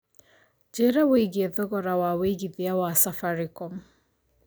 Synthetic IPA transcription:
d͡ʒɛɾɛweiɡiɛðɔɣɔɾawaweɡiðiawasafaɾikɔm

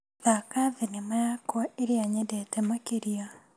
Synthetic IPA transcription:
ðakaðinimajakoeɾiaɲedetemokiɾijo

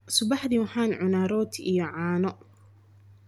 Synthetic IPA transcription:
sʊbɑħd̪iwħaːnʕʊnaːɾɔːt̪ʰḭjɔʕaːnɔ

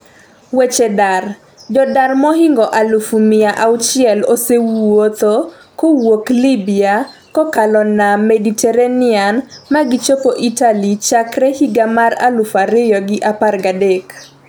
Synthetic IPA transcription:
wet͡ʃedar | d͡ʒɔdarmɔhɪŋɡɔʔalufumɪaʔawt͡ʃɪɛlosewot̪o | kowoklibɪa | kɔkalɔnamɛditɛɾanɪanmaɡɪt͡ʃopoʔitalit͡ʃakrehiɡamaɾa̰lufaɾɪjɔɡɪʔaparɡadek

